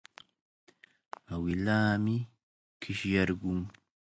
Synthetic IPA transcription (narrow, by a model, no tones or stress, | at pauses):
awilaːmi | kʰiʃjaɾɡuŋ